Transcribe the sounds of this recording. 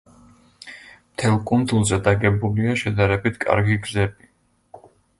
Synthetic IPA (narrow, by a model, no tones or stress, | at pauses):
mt̪ʰɛlˠkʼund̪ulˠzɛd̪aɡɛbuliaʃɛd̪aɾɛbit̪ʰkʼa̰ɾɡiɡzɛbi